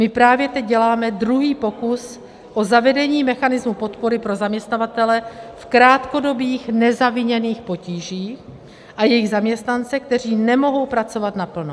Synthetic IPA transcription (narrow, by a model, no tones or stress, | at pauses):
mɪpɾaːvjɛt̪ɛɟ̚ɟɛlaːmɛd̪ɾuɦiːpo̞kus | ʔo̞zavɛdɛɲiːmɛxanɪzmupo̞t̪po̞ɾɪpɾo̞zamɲɛst̪navat̪ɛlɛfkɾaːt̪ko̞do̞biːxnɛzavɪɲɛniːxpo̞ciːʒiːx | ʔajɛjɪɣzamɲɛst̪nant͡sɛk̚t̪ɛr̝iːnɛmo̞ɦo̞wpɾat͡so̞vat̪napl̩no